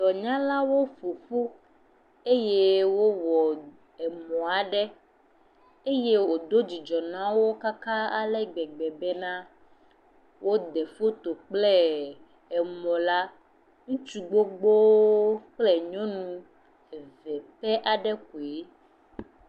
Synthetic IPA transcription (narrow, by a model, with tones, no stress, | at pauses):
dɔ˨ɲã˦la˦wo˦fo˨fu˦ | e˦je˦wo˦wɔ˨ | ɛ˨mɔ̃˨a˨ɖɛ˦ | e˦je˦wo˨d̪o˦d͡ʑi˨d͡ʒɔ˨nã˦wo˦ka˦ka˦a˨lɛ˦ɡ͡bɛ˨ɡ͡bɛ˨bɛ˦nã˦ | wʔo˦d̪ɛ˨fo˦t̪o˨k͡plɛ˦ | ɛ˨mɔ̃˨la˦ | ŋũ˦t͡ʃu˨ɡ͡bo˦ɡ͡bo˦o˦k͡plɛ˦ɲɔ̃˦nũ˦˨ | vɛ˨pɛ˦ʔa˨ɖɛ˦k̚o˨e˦